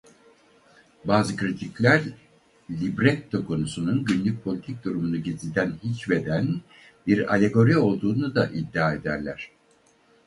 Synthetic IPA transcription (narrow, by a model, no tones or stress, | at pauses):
baːzɯkɾit̪ʰiclʲæɾ | lʲibɾɛt̪ʰːo̞kʰo̞nusununɟynlʲyc̚pʰolʲit̪ʰic̚d̪uɾumunuɟizlʲd̪ænhit͡ʃve̞d̪æn | biɾa̰lʲe̞ɡo̞ɾio̞lˠd̪uːnud̪aʔid̪ːaːe̞d̪æɾlʲæɾ̥